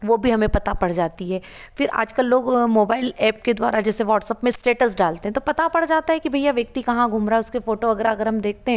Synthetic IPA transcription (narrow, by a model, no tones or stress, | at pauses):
ʋoːbʱiɦɐmẽpɐt̪apɐɽ̤d͡ʒaːt̪iɦɛː | fɪɾa̰ːd͡ʒkəlːoːɡmoːbaːɪlɛːp̚ked̪wa̰ːɾʔad͡ʒɛːseʋɔːʈsəpmẽsʈeːʈəsɖaːlt̪ẽɦɛ̃t̪opɐt̪apɐɽd͡ʒaːt̪aɦɛkibʱɐjaʋjɐk̚t̪ikɐɦãɡʱʊmɾaʊskefoːʈoɐɡəɾaɐɡəɾɦɐmd̪eːk̚ʰt̪eɦɛ̃ː